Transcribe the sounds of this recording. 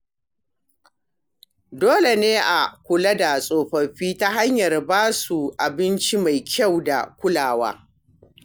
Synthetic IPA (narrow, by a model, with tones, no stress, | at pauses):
doː˦le˨neː˦ʔa˨kʷʊ˨la˦da˨sʼoː˨ɸɐ˨ɸiː˦ta˦ɦa˦ɲjɐ˨rbaː˦su˨ʔa˨bɪ˦nt͡ʃi˦ma˨jkʲʰa˦˨wda̰˨kʷʊ˦laː˨wa̰ː˦